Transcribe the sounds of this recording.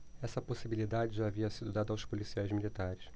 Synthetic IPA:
ɛsɐposibilid̪ad͡ʒɪʒaːviɐsid̪ʊd̪ad̪ɐawspolisiajzmilit̪aɾɪs

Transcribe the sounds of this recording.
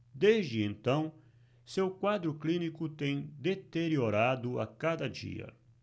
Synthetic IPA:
d̪ezd͡ʒɪẽnt̪ɐ̃w̃ | sewkwad̪ɾʊklinikut̪ẽj̃d̪et̪eɾjoɾad̪ʊa̰kad̪ɐd͡ʒḭɐ̰

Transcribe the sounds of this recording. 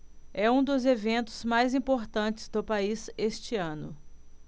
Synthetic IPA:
ɛũd̪ʊzevẽnt̪ʊzmajzĩpoɾt̪ɐ̃t͡ʃɪ̥zd̪ʊpaizest͡ʃɪɐ̃nʊ̰

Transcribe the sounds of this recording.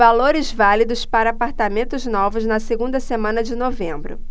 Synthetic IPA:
aloɾɪzvalid̪ʊspaɾɐːpaɾt̪amẽnt̪ʊznɔvʊznɐseɡũnd̪ɐsemɐ̃nɐd͡ʒɪnovẽmbɾʊ̰

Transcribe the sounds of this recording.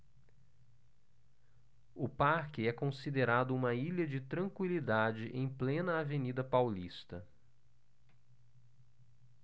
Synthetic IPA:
ʊpaɾkɪɛkõsid̪eɾad̪ʊũmɐiʎɐd͡ʒɪt̪ɾɐ̃ŋkwilid̪ad͡ʒɪʔẽj̃plẽnɐavenid̪ɐpawlist̪ɐ

